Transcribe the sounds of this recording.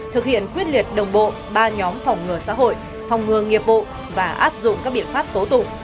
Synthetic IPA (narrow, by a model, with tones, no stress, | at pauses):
t̪ʰɨ˨˩k̚hḭ˧˨ənkwi˦˥ət̚li˨˩ət̚ɗə˨˩wŋ͡mɓo̰˧˨ | ɓaː˧ɲɔ˨˦mfa˨˩wŋ͡mŋɨ˨˩əsa̰ː˧˥ɦo̰˧˨j | fɔ˨˩wŋ͡mŋɨ˨˩əŋi˨˩əp̚ɓo̰˧˨ | vaː˨˩ʔa̰ː˦˥p̚zʊ̰˧˨ŋ͡mkaː˦˥k̚ɓḭ˧˨ənfaː˦˥p̚t̪o˨˦wt̪ʊ̰˧˩